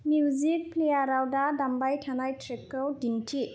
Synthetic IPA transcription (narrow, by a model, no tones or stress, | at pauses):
mjuzik̚pʰlejaɾawdadambajtʰanajtʰɾɛkːɔwdintʰi